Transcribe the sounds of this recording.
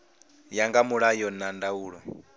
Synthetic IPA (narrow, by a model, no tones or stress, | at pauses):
jaŋɡamuɺajɔnandauːɺɔ